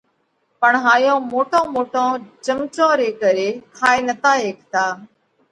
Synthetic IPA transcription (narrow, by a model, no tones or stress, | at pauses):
pəɳɦaːjõːmoːʈʰõːmoːʈõːt͡ʃəmt͡ʃõːɾeːkəɾeːkʰaːeːnət̪aːɦeːkt̪ʰaː